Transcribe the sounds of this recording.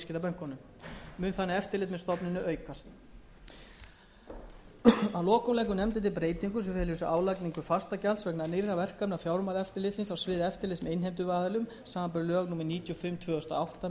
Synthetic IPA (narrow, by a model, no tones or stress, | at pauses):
scɪt̪apɛn̥kːɔnʏm | mʏːnθanːɪɛft̪ɪɾlɪːt̪mɛðst̪ɔpnɪnʏœːɥkast̪ | awlɔːkumlɛjk̬ʏnɛmt̪̬ɪt̪ɪlpɾeːjt̪iŋkʏsɛfɛlʏsʏʔaːwlajkniŋkʏfast̪acalsvɛknaðnejɾavɛr̥kapnafjawɾmaːlɛft̪ɪɾlɪt̪sɪnsawsvɪːðɛft̪ɪɾlɪsmɛejnɦejmt̪ʏvaːðɪlʏm | saːmapœɾlœːɣnuːmɛɾniːt̪jɔfɪmːt̪ʰvœːðʏst̪a̰awht̪a